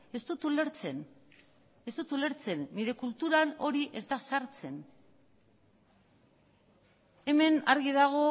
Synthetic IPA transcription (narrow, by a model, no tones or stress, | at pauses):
e̞st̪ut̪ule̞ɾt͡se̞n | e̞st̪ut̪ule̞ɾt͡se̞nːiɾe̞kult̪uɾano̞ɾiʔe̞zd̪asaɾt͡se̞n | e̞me̞na̰ɾɣiðaɣ̞o̞